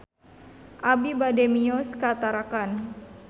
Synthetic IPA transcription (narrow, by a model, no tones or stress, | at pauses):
ʔabibademiɔskat̪aɾakan